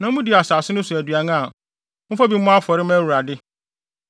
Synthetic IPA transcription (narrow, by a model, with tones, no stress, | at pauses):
nã˨m̩˦mũ˦di˨a˨saː˨sɪ˦nʊ̃˦sʊ˨æ˨dɥa˨ñ˦a˨ | m̩˦fɔ˦bi˨˦m̩˦mʊ̃˦a˦fɔ˨ɾɪ˦mæː˦wu˨ɾa˨dɪ˦